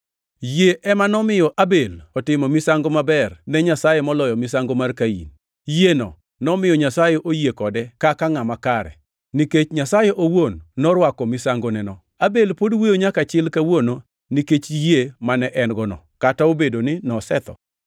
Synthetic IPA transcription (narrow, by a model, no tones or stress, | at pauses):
jeʔɛmanɔmɪjɔʔabelɔtɪmɔmɪsaŋɡomabɛrnɛɲasajemɔlɔjɔmɪsaŋɡomarkaḭn | jenɔ̰ | nɔmɪjɔɲasajeʔojekɔdɛkakaŋamakaɾɛ̰ | niket͡ʃɲasajeʔowonːɔɾwakɔmɪsaŋɡonɛnɔ | abelpodwijoɲakat͡ʃɪlkawono | niket͡ʃjemanɛʔɛnɡɔnɔ̰kataobedonɪnɔsɛt̪ɔ̰